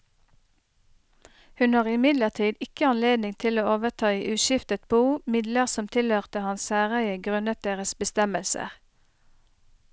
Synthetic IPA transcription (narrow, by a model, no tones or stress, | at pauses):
hʉnhɑːʁɪmɪd̪ləʁt̪ʰiːd̪ɪkəɑnleːd̪nɪŋt̪ʰɪloːoːʋət̪ʰɑːiːʔʉːʃɪft̪ət̪̚buːmɪd̪ləʁsɔmt̪ʰɪlhøːʁt̪əhɑnssæːʁæɪəɡʁʉnət̪̚d̪eːʁəsbəst̪ɛməlsə̰ʁ